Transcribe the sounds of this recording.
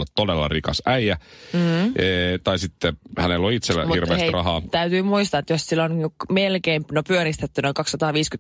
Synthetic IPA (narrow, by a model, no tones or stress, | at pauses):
let̪t̪odelːɑ̰rikɑsæijæ | t̪ɑisit̪ːehænelːoit̪selːæ̰hirʋḛːst̪rɑɦɑːt̪æyt̪yːmuist̪ɑet̪jossilːonmelkeːmpnopyøɾist̪et̪ːynoikɑksːɑt̪ɑːʋiːsky